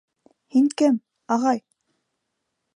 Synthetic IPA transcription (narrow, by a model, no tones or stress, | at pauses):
hiŋkɘm | ɑʁɑj